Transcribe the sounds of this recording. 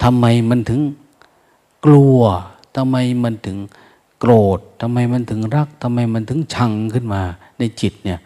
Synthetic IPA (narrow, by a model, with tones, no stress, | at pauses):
t̪ʰa˧mːa˧jma˧˥nt̪ʰɯ˩˦ŋ | klu˧ɐ | t̪ʰa˧mːa˧jma˧˥˧nt̪ʰɯ˩˦ŋ | kɾoː˨˩t̪̚ʰːa˧mːa˧jma˧˥nt̪ʰɯ˨˩˦ŋɾa˦˥˩k̚t̪ʰa˧mːa˧jma˧˥nt̪ʰɯ˨˩˦ŋt͡ɕʰa˧ŋkʰɯ˥˩nmaː˧na˧jt͡ɕi˨˩t̪̚ni˥˩ɐ